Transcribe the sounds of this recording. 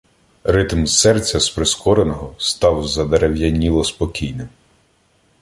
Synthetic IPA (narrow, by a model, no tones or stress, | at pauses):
rɪt̪m̩sɛrt͡sʲɐspɾɪskɔɾenɔɦɔst̪ɑwzɐd̪eɾewjɐnʲilˠɔspɔkʲijnɪm